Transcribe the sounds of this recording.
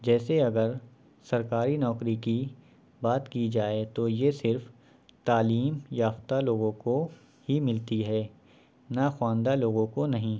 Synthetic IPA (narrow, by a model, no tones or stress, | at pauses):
d͡ʒɛːseɐɡəɾ | sɐɾkaːɾinɔːkɾiki | baːt̪kid͡ʒaːet̪ojesɪɾf | t̪aːliːmjaːft̪aloːɡõko | himɪlt̪iɦɛː | naxwãːnd̪aloːɡõkonɐɦĩ